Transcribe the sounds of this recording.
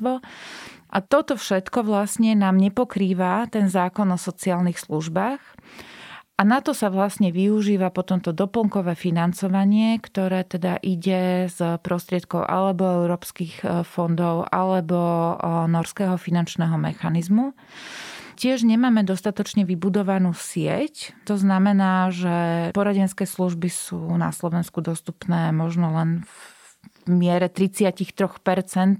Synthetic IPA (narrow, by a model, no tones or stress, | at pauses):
ʋɔ | ʔat̪ɔt̪ɔfʃɛt̪kɔʋlasɲɛnaːmɲɛpɔkɾiːʋat̪ɛnzaːkɔnɔsɔt͡siaːlnixsluʒbaːx | ʔanat̪ɔsaʋlasɲɛʋiuʒiːʋapɔt̪ɔmt̪ɔd̪ɔpl̩ŋkɔʋɛːfinant͡sɔʋaɲɪɛkt̪ɔɾɛːt̪ɛd̪aʔiɟɛzpɾɔst̪ɾɪɛt̪̚kɔʊʔa̰lɛbɔɛʊɾɔːpskixfɔnd̪ɔʊʔa̰lɛbɔnɔɾskɛːɦɔfinant͡ʃnɛːɦɔmɛ̰xanizmu | cɪɛʒɲɛmaːmɛd̪ɔst̪at̪ɔt͡ʃɲɛʋibud̪ɔʋanuːsɪɛ̰ct̪ɔznamɛnaːʒɛpɔɾaɟɛnskɛːsluʒbisuːna̰slɔʋɛnskud̪ɔst̪upnɛːmɔʒnɔlɛnv | mɪɛɾɛt̪ɾit͡sɪacixt̪ɾɔxpɛɾt͡sɛnt̪̚